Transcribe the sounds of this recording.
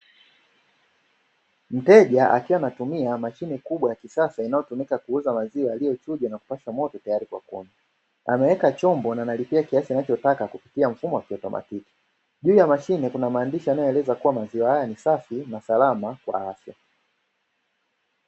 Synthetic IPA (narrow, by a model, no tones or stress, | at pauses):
m̩tɛʄaʔa̰kiwanatumiamaʃinɛkuɓwajakisasainajɔtumikakuuzamaziaːlijɔt͡ʃuʄanaku̥paʃamɔtɔtajaɾikwa̰kɔ̰ma | a̰mɛwɛkat͡ʃɔmbɔnanalipiakiasinat͡ʃɔtakakupitiaɱ̩fumɔwakiɔtɔmʔa̰tiki̥ | ʄuːjamaʃinɛkunamaːndiʃianajɔɛlɛzakuwamaziwahajanisafinasalamakwa̰afja̰